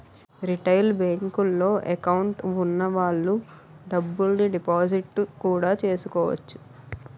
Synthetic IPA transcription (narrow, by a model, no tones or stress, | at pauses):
ɾiʈɐjlbeːŋkulːo̞ːʔekɐwɳʈunːɐʋaːɭːu | ɖɐbːulniɖipaːd͡ʒiʈːkuːɽaːt͡ʃe̞ːsu̥kɔːʋɐ̰t͡ʃːu̥